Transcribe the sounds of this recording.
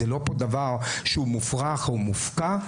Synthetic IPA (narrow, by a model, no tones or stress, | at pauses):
elo̞pod̪avaʁʃeumufʁaχumufka